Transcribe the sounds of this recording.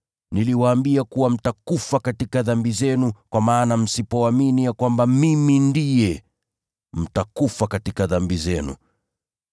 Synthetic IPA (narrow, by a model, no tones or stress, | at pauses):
niliwaːmbiakuwam̩takufakatikaðambizɛnukwamaːnam̩sipɔaminijakwambamimindijɛ | m̩takufakatikaðambizɛnṵ